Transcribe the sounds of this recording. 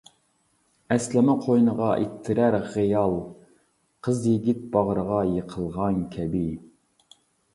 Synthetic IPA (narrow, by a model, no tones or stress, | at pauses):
ɛslɪmɛqʰojnəʁɑʔḭt̪ʰːɪɾæɾʁijɑlˠ | qʰəzjiɡʲit̪̚bɑʁɾəʁɑjəqʰəlˠʁɑnkʲʰɛbi